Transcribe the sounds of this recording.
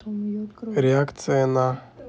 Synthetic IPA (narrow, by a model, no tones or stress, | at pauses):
ɾʲɪakt̪sɨjana